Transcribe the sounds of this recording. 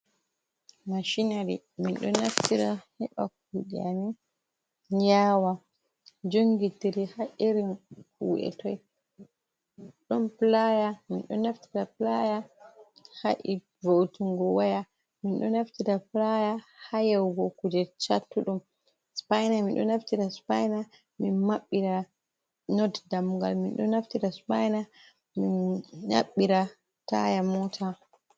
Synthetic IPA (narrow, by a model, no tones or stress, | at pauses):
maʃinaɾḭ | minɗɔnːaftiɾahɛɓa̰k̚uɗia̰ni | ɲd͡ʒawa | d͡ʒoŋɡitiɾihaʔiɾinkṵɛ̰tɔj | ɗɔmplajaminɗɔ̰nːaftiɾaplaja | haʔi | votuŋɡɔwaja | minɗɔ̰naftiɾaplajahajɛwɡɔkud͡ʒɛt͡ʃatːuɗum | spajnaminɗɔ̰naftiɾaspajna | minmaɓːiɾa | nɔddamuɡa̰lminɗɔ̰nːaftiɾaspajna | minːa̰ɓːiɾa | ta̰jamɔtʰa